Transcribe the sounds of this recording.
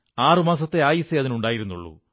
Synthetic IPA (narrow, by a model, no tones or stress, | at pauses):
aːrɨmaːs̬ɐt̪ːe̞aːjiseɐðinuɳɖaːjiɾunːṵɭːṵ